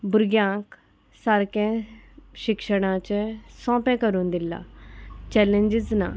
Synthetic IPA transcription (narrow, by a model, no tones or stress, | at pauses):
bʊɾɡjãːk | saɾkẽɕikʂəɽ̃ãt͡ɕẽsɔ̃ːpɛ̃kəɾuːnd̪ɪlːa̰t͡ɕɛlẽɲd͡ʑizna̰